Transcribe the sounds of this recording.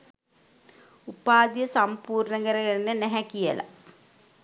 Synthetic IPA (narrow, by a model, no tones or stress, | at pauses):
upaːd̪ijəsampuːɾnəɡəɾəkeɾinənæɦɛkijə̰la̰